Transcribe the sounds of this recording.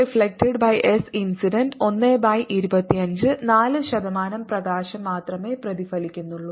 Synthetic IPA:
ifɭek̚ʈɐɖbɐjʔesinsiɖɐnɖo̞nːeːbɐjʔiɾubɐt̪ːiɐɲd͡ʑɨnaːlɨɕɐd̪ɐmaːnɐmprɐɣaːɕɐmːaːt̪rɐme̞ːprɐðifɐlikʲːunːuɭːu

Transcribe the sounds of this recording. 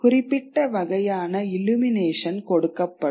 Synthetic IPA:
kʊrɪpːɪʈːɐʋɐɣɐjaːnɐɪlumɪneːʂɐnkɔɽɯkːɐpːɐ

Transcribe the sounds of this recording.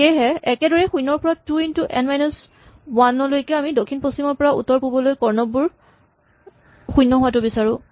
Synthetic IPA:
ejɦɛɛkɛdɔɹɛxujnːɔɹpɔɹatuintuʔɛnmajnɔs | wanɔlojkɛamidokʰinpostimɔɹpɔɹaṵtːɔɹpubɔlojkɔɹnɔbuɹ | xujnːɔɦʊwatʊbisaɹʊ̃

